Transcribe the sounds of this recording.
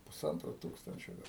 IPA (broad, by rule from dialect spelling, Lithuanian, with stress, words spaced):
pʊˈsɐntroː ˈtuːkstɐnʲt͡ʃʲoː ˈɡɐlˠ